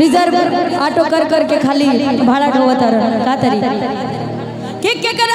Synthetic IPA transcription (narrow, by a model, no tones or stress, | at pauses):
ɾid͡zəɾbəɾaʈokəɾkəɾkekʰalibʱaɭaʈʰoʋət̪aɾəkat̪əɾii | kek